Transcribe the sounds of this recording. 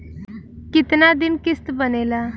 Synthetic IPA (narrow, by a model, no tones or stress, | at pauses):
kit̪nad̪inkist̪bənela